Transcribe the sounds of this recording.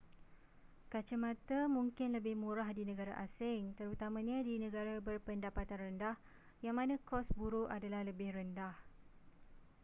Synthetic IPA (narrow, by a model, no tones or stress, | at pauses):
kat͡ʃamãt̪amũŋkɪnləbɪhmũɾahdinə̃ɡaɾa̰ʔasɪŋt̪əɾut̪amãɲãdinə̃ɡaɾabərpəndapat̪anrəndah | jaŋmãnãkɔsbuɾuʔadalahləbɪhrəndah